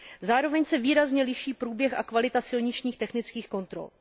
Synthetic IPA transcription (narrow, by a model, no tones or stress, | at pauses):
zaːɾo̞vɛɲsɛviːɾazɲɛlɪʃiːpɾuːbjɛxʔa̰kvalɪt̪asɪlɲɪt͡ʃɲiːxt̪ɛxnɪt͡skiːxko̞nt̪ɾo̰l